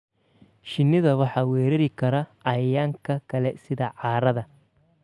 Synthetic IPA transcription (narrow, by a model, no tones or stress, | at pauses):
ʃɪnːɪðɐwɑħɑwɛːɾɐɾɪkɐɾɐɐjaŋkɐkʰɐlɛsɪðɐʕaːɾɐðɐ